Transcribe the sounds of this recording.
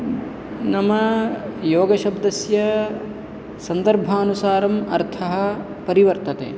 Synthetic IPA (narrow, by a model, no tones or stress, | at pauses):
nɐmɐjoːɡɐʃɐbd̪ɐsjɐ | sɐnd̪ɐɾbʱaːnusaːɾɐmɐɾt̪ʰɐɦɐ̆ | pɐɾiʋɐɾt̪ɐt̪ḛː